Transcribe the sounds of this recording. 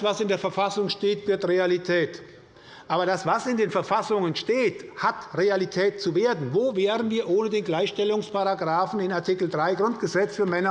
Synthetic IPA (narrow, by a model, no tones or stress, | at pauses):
v̥asɪndeːɐfɛɐfasʊŋʃteːtv̥ɪɐtʁealitʰɛːt | ʔaːbɐdasv̥asɪndeːnfɛɐfasʊŋənʃteːthatʁealitʰɛːt̚t͡suveːɐdn̩voːveːʁən̩viːɐʔoːnədeːnɡlaɪçʃtɛlʊŋspaʁaɡʁaːfn̩ɪnaɐtʰikl̩dʁaɪɡʁʊntɡ̥əzɛt͡sfyːɐmɛnɐ